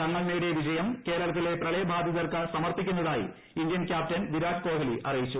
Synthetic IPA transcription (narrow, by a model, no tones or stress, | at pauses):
ɐŋːɐɭneɽeʋid͡ʑɐjɐmke̞ːɾɐɭɐt̪̬ːile̞prɐɭejbʱaːd̪ʱjɐðɐrkɐsɐmɐrt̪ikʲːunːɐðaːjḭ | ind̪jɐnkʲjaːp̚tɐnʋiɾaːɖko̞ːɦɐliʔɐrijit͡ɕːu